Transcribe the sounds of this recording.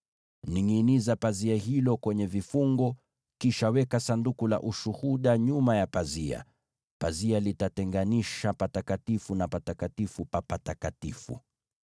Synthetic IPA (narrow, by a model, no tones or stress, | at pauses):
niŋinizapaziahilɔkwɛɲɛvifuŋɡɔ | kiʃawɛkasandukula̰ʔuʃuhuɗaɲumajapazia̰ | pazialitatɛŋɡaniʃapatakatifunapatakatifupapatakatifṵ